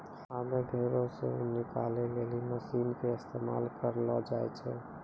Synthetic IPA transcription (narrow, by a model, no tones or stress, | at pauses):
sameɡʱeɾõsḛunɪkaleleliməsiːnkeɪst̪ʰema̰ːlkəɾlɔd͡ʒaɛt͡ʃʰɛ